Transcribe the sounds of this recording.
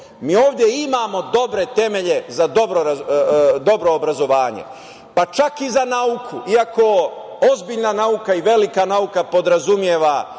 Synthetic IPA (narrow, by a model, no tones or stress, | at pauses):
miːo̞ːʋd̪ʲje̞imaːmo̞d̪o̞bɾe̞t̪e̞me̞ʎe̞zad̪o̞bɾoɾad̪o̞bɾo̞ːbɾazo̞ʋaːɲe̞̰ | pat͡ʃakizanaukʰuʔiako̞ | ozbiʎnanaukaiʋe̞likanaukapo̞d̪ɾazumje̞ːʋa